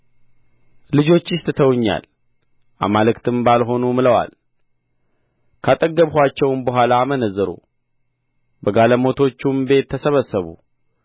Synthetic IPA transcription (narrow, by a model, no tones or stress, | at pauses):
lɨd͡ʒo̞t͡ʃːjɪst̪ʼt̪ʰəwɲːa̰l | ʔa̰malɨkt̪ʰɨmbalɦo̞numɨləwa̰l | kʰat̪ʼəɡːəβhʷat͡ʃːɛwnbəɦʷalaːmənəzːəɾṵ | bəɡaləmo̞t̪ʰo̞t͡ʃːumbe̞t̪ʰːəsəβəsːəβṵ